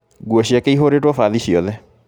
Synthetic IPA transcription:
ɡuɔɕiakeiɦoɾeːtwɔfaːðiɕiɔðɛ

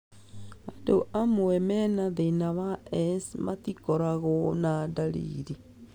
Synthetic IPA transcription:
andoʔamoɛmɛnaðenaβaɛsmatikoɾaɣonadaɾḭɾi

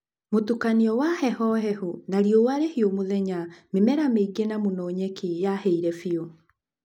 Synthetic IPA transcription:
motukaniɔwahɛhɔɦɛhunaɾjowaɾehiomoðɛɲamemɛɾameɡenamonɔːɲekijahɛiɾɛfio

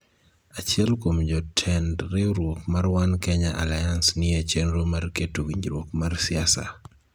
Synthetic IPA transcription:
at͡ʃjɛlkomd͡ʒɔtʰɛndɾɪɾwokmarwankɛɲaʔa̰lajansnɪet͡ʃenɾomarketuɡiɲd͡ʒɾwokmarsɪasa̰

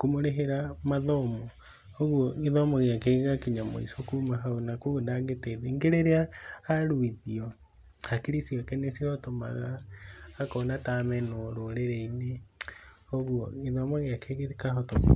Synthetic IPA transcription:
komoɾeɦeɾamaðɔmɔ | oɣwɔɣiðɔmɔɣjakeɣɣakiɲamo̰ḭsokumaɦaonakuɣndaɣeteðeŋɡeɾeɾeaːɾuiðiɔ | hakiɾisiɔkɛnesihɔtoma̰ɣaː | kɔnatamɛnɔɾoɾeɾɛine | oɣuɔ̰ŋiðɔmɔɣeakʰeɣeɾikaɦɔto

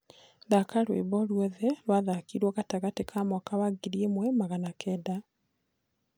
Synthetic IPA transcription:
ðakaɾwḛβɔlwɛðɛlwaðakiːɾwɔɣataɣatekʰamwɔkawaɡiɾiemwɛmaɣanakʰɛda

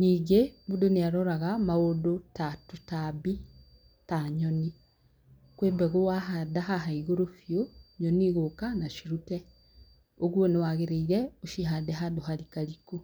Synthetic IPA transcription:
niːɡebudoneaɾɔɾaɣamaodotatotabi | taɲɔni | kwembɛɣowaɦadaɦaɦaiɣoɾofjoɲɔniɣokanaʃiɾutɛ | oɣwonewaɣeɾeiɾɛoʃiɦadɛɦadoɦaɾikaɾiku

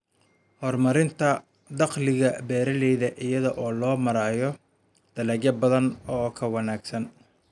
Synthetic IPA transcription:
hɔrmɐɾɪnt̪ʰɐ | d̪ɑqlɪɣɐbɛːɾɐlɛjðɐʔɪjɐðɔʔɔːlɔːmɐɾaːjɔ | d̪̥ɐlɛːɡjɐbɐðɐnɔːkʰɐwɑnaːɡsɐn

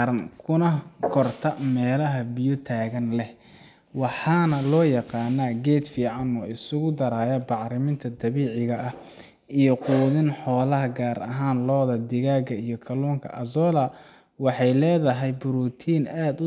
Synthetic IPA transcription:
ɾɐnkʰʊnɐkʰɔrt̪ʰɐmɛːlɐɦɐbɪjɔt̪ʰaːɣɐnlɛh | wɑħɑnɐlɔːjɑqɑːnːaːɡɛːd̪fiːʕɑnɔːɪsʊɣʊd̪ɐɾaːjɐbɑʕɾɪmɪnt̪ʰɐd̪ɐβiːʕɪɣɐʔɐh | ʔijɔquːðɪnħɔːlɐɦɐɡaːɾɐ̰ɦaːnlɔːðɐd̪ɪɣaːɣɐijɔkʰɐlɔːŋkʰɐ̰ʔɐzɔːlɐ | wɑħɑjlɛːðɐɦɛjbʊɾuːt̪ʰiːnaːd̪ʊ

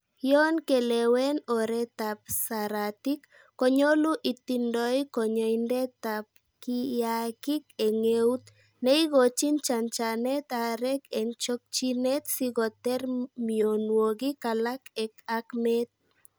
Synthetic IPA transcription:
jɔnkelɛwɛnɔɾɛt̪ap̚saɾat̪ikː | ɔɲoluʔit̪indɔjkɔɲɔindɛt̪ap̚ | kijakikeŋeut̪ | neiɣot͡ʃint͡ʃant͡ʃanɛt̪aɾɛkɛŋt͡ʃɔk̚t͡ʃinɛt̪siɣɔt̪ɛɾmionwoɡikalakɛkakmɛt̪̚

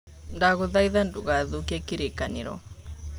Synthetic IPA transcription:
ndaɣuðaiðanduɣaðukɛkiɾikanḭɾɔ̰

